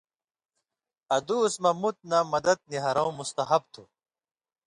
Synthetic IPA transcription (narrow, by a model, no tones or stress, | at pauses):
ɐd̪uːsmɐmut̪̚nɐmɐd̪ɐd̪̚niɦɐɾɐw̃must̪ɐɦɐb̚t̪ʰu